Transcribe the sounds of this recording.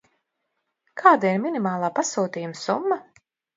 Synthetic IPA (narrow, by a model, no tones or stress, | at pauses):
kʰaːd̪aiɾmʲinimaːlˠaːpasuːt̪iːjumsṵmːa